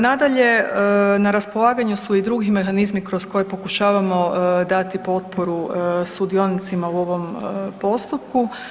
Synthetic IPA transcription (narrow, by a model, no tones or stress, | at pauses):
nad̪aʎe̞naɾaspo̞lˠaːɡaɲusuid̪ɾuɡime̞xanizmikɾo̞sko̞je̞po̞kuʃaːʋamo̞d̪at̪ipo̞t̪̚poɾusud̪io̞nit̪simauo̞ʋo̞mpo̞st̪up̚ku